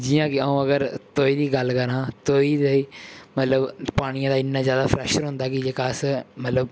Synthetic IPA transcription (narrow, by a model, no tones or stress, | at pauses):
d͡ʒɪːãːkɪəːũːəɡəɾt̪oːiːd̪iːɡəlkəɾãːt̪oːiːd̪eiːmət̪ləbpaːɽ̃ɪjãːd̪aːɪnːãːzjaːd̪aːpʰɾɛːʃəɾɦʊ̃nd̪aːkɪd͡ʒekaːsmət̪ləb